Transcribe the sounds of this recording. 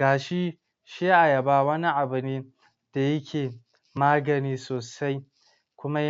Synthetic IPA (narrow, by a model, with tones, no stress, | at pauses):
ɡaː˨ʃi˦ | ʃe˦ʔa˨ja˨baː˦˨wɐ˦ni˦ʔa˨bʊ˨neː˦ | d̥a˨jɐ˦kʲʰeː˨ | maː˦ɡɐ˨niː˦soː˨sa˦j | kʷʊ˦ma˦